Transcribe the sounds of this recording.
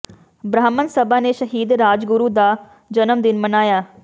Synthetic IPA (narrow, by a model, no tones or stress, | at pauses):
bɾaːmənsəbaːneːʃəɦiːd̪ɾaːd͡ʒɡʊɾuːd̪aː | d͡ʒənəmd̪ɪnmənaːjaː